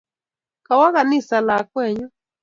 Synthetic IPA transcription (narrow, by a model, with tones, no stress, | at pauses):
ka˨wa˦ɣa˨nɪ˦˨sa˨la˨kwɛ˦˨ɲɔ˦